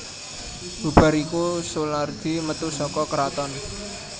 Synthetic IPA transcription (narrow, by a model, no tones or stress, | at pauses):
b̥ṳba̤ɾikusulard̪̥i̤mət̪usɔkɔkəɾat̪ɔn